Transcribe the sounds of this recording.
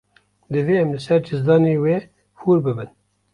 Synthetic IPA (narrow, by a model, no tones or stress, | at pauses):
d̪ɨveːɛmlɨsɛɾd͡ʒɨzd̪ɑːneːweː | huːɾbɨbɨn